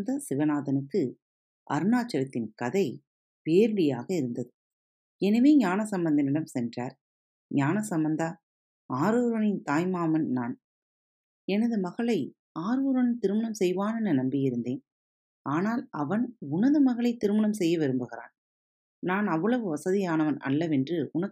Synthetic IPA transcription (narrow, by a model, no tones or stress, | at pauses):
d̪ɐsɪʋɐnaːðɐnɯkːɯ | ʔɐ̰ɾɯnaːt͡ʃːɐɾɐt̪ːɪnkɐðɐɪ | peːɾɯɽɪja̰ːɣɐɪɾɯnd̪ɐðɯ | ɛnɐʋeːɲaːnɐsɐmbɐnd̪ɐnɪɽɐmsɛndra̰ːɾ | ɲaːnɐsɐmbɐnd̪ɐ | aːɾɯːɾʋɐnɪnt̪aːjmaːmɐnnaːn | ɛnɐðɯmɐɣɐɭɐɪ | aːɾuːɾʋɐnɪnt̪ɪɾɯmɐɳɐmsɛjʋaːnɐnːɐnɐmbɪjɪɾɯnd̪eːn | aːnaːlɐʋɐnʊnɐðɯmɐɣɐɭɐɪt̪ːɪɾɯmɐɳɐmsɛjːɐʋɪɾɯmbɯɣɪra̰ːn | naːnɐʋːɐɭɐʋɯʋɐsɐðɪjaːnɐʋɐnʔɐ̰ɭːɐʋɛndrɯʊnɐk